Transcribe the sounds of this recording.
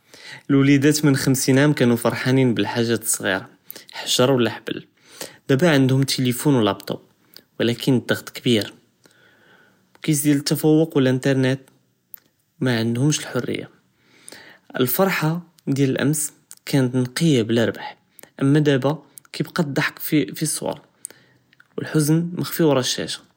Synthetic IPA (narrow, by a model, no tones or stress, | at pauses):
əlwlæd̪æt̪mənxəmsinʕæmkænufɑɾˤħaninbəlħaʒːæsˤːɣḭɾˤɑ | ħḁʒɑɾˤwəlːæħbə̰l | d̪̥æbæʕənd̪hʊmt̪ʰilifunwlɑbt̪ˤɑ̰b̚ | wlækʰənd̪ːɑɣt̪ˤkbiɾ | kisd̪jælət̪ːæfæwːʊqwəlʔənt̪ɑɾˤnet̪ | mæʕənd̪hʊmʃəlħʊrːə̰jːa̰ | ʔə̰lfɑɾˤħa | d̪jæləlʔæ̰ms | kʰænət̪nqijabəlʔəɾˤbaħ | ʔəmːæd̪æbæ | kibqɑd̪ɑħkfifisˤːwɑ̰ɾˤ | wəlħʊznmæxfiwɾˤɑʃæ̰ʃæ̥